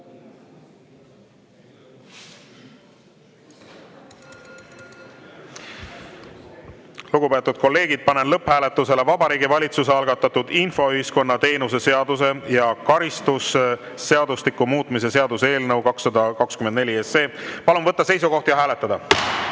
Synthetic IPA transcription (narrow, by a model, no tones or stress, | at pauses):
luɡ̥upet̪ːˑud̪̥̚ko̞lːe̞ːɡid̪̥̚pɑnenlɤphæːle̞t̪ːˑuse̞le̞vɑbɑɾiːɡivɑlʲit̪sus̬eɑlɡɑt̪ːˑɑt̪ud̪̥info̞yhisko̞nːɑt̪e̞ːnuse̞se̞ɑd̪̥use̞jɑkɑɾist̪usː | e̞ɑd̪uslikːumuːt̪ˑmis̬e̞se̞ɑd̪use̞ːlnɤwkɑksːɑd̪ɑkɑkskymend̪ne̞lʲiese̞ːpɑlunvɤt̪ːˑɑse̞jsuko̞ht̪jɑɦæːlet̪ːˑɑd̪ɑ